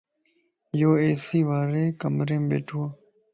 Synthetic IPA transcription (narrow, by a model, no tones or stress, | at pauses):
joːeːsiːʋaːɾeːkəmɾẽːmbḛːʈʰua